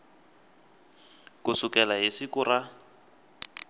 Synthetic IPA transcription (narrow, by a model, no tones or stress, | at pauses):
kʊsʊkɛlaɦisɪkʊra